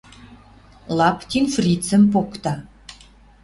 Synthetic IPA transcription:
lˠɑpt̪ʲinfrʲit̪t͡sɘ̆mpokt̪ɑ

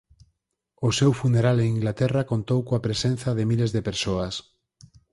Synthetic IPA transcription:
ʊsewfuneɾaleŋiŋɡlat̪ɛrakont̪owkõapɾesen̟θɐðɪmilezðepeɾsoɐs

